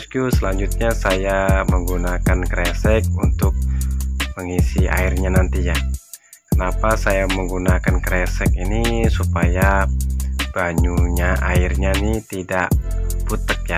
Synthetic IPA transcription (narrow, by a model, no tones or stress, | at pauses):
skusəlaɲd͡ʒut̪̚ɲasajaməŋɡunakankɾɛsɛk̚unt̪ʊk̚məŋisia̰irɲanant̪iɲa | kənapasajaməŋɡunakankɾɛsɛk̚inisupaja | b̥aɲuɲaʔairɲanit̪idaʔbut̪ək̚ja